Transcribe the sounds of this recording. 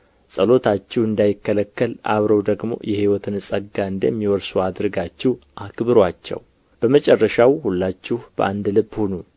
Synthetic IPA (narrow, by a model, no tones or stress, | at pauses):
sʼəlo̞t̪ʰat͡ʃːɪhɨnd̪ajɪkːələkːəlʔa̰βɾəwd̪əɡmo̞̰jʔɛhiwɔt̪ʰɨnɨsʼəɡːaɨnd̪əjmːiwɔɾsuad̪ɾɨɡat͡ʃːɪhʔakbɨɾwat͡ʃːɛ̰w | b̥əmət͡ʃʼɛrːəʃawhulːat͡ʃːɪhb̥ə̰ʔand̪lɨbhonu